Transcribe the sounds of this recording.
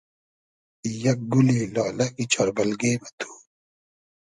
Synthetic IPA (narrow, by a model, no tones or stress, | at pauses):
jɐk̚ɡuleːlaːlɐkit͡ɕʰɔɾbɐlɡeːbɐt̪ʰu̥ː